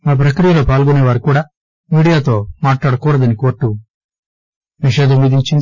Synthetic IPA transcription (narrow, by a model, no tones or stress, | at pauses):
maːp̬ɾɐkɾijɐlo̞ːpaːlɡuneːʋaːɾukuːɽaː | miːɽijaːt̪o̞ːmaːʈlaːɽɐkɔːɾɐd̪ɐnikoːɾʈːu | niʃeːd̪umːid̪iɲt͡ʃin